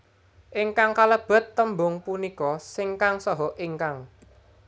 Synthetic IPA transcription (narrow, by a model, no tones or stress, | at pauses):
ʔɪŋkaŋkaləb̥ə̤t̪ːəmbʊŋpunikɔsɪŋkaŋsɔɦɔʔiŋkaŋ